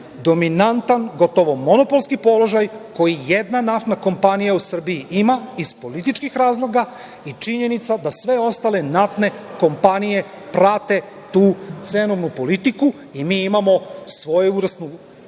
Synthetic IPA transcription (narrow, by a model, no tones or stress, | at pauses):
d̪o̞minant̪anɡo̞t̪oʋo̞mo̞nopolskipo̞lo̞ʒajko̞jijed̪nanaft̪nako̞mpanijausr̩bijiʔimaizpo̞lit̪̬it͡ʃkixɾaːzlˠo̞ɡa | it͡ʂiɲe̞nit̪sad̪asʋe̞o̞st̪ale̞naft̪ne̞ko̞mpanije̞ | pɾat̪e̞ | t̪uːt̪senoʋnupo̞lit̪iku | imiːimamo̞sʋo̞jeuɾast̪nu